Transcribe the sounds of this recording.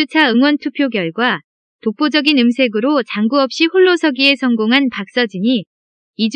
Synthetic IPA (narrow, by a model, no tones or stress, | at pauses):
ut͡ɕʰaɯŋwʌntʰupʰjoɡjʌɭɡwa | tok̚p͈od͡ʑʌɡinɯmsʰe̞ɡɯɾot͡ɕaŋɡuʌp̚ɕ͈ihoɭːosʰʌɡie̞sʰʌŋɡoŋɦanpak̚s͈ʌd͡ʑiɲi | id͡ʑ